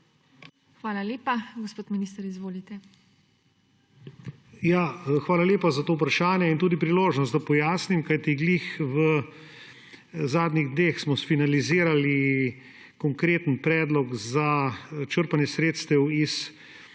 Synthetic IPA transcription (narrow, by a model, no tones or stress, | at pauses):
xʋaːlaleːpaɡospoːt̪miniːst̪ɐɾizʋoːlit̪ɛ | jaːxʋaːlaleːpazat̪oːupɾaʃaːnjɛint̪uːd̪ipɾiloːʒnɔst̪̚d̪apɔjaːsnimkajt̪iɡliːxʋə | zaːd̪niɣd̪neːxsmɔsfinaliziːɾali | kɔŋkɾeːt̪ənpɾɛːd̪lɔkzat͡ʃəɾpanjɛsɾeːt̪st̪ɛwis